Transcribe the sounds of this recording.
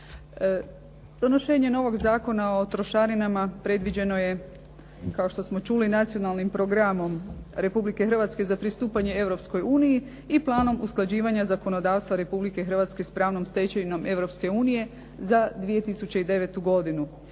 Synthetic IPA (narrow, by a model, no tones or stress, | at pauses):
d̪̥o̞no̞ʃe̞ːɲe̞no̞ʋo̞ɡzaːko̞nao̞t̪ɾo̞ʃaɾinamapɾe̞d̪ʋid͡ʑe̞no̞je̞ | kao̞ʃt̪o̞smo̞t͡ʃulinat̪sijo̞nalˠnimpɾo̞ɡɾamo̞mɾe̞publike̞xrʋat̪ske̞zapɾist̪uːpaɲe̞e̞ʋɾo̞psko̞juːniji | iplˠaːnomʔusklˠad͡ʑiːʋaɲazako̞no̞d̪aːʋst̪ʋaɾe̞publike̞xr̩ʋat̪ske̞spɾaːʋno̞mst̪e̞t͡ɕeino̞me̞ʋɾo̞pske̞uːnije̞ | zad̪ʋije̞t̪isut͡ɕeid̪e̞ʋe̞t̪uɡo̞d̪inu